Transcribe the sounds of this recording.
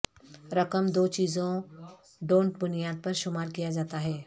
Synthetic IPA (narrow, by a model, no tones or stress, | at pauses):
ɾɐkəmd̪oːt͡ʃiːzõ | ɖõːɳʈbʊnijaːd̪̚pɐɾʃʊmaːɾkijad͡ʒaːt̪aɦɛː